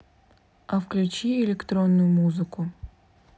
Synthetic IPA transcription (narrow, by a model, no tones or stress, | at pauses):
ɐfklʲʉt͡ɕiɛlʲɛkt̪ɾonːʊjʊmuzɨkʊ